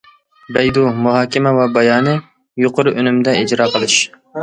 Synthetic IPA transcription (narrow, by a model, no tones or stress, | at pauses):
bɛjd̪umuɦɑːkʲɪmɛwɛbɑjɑːnɨ | joqʊɾɨʔønymd̪ɛid͡ʒɾɑːqʰəlˠɨʃ